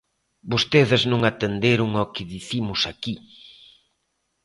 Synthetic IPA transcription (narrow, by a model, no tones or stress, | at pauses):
bost̪eðɪznõŋat̪end̪eɾʊŋokɪðiθimʊsaki